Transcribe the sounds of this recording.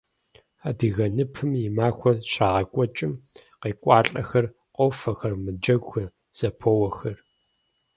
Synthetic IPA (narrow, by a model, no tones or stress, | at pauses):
aːdɨɣɐnɨpʰɨmjɪmaːxʷɔɕʼaːʁɐkʷʼɔt͡ʃʼɪmqeːkʷʼɑːɬʼɐxɐr | qʷʼoːfɐxɐrmɨd͡ʒɐɡʷxɐ | z̥ɐpʰoːwɐxɐr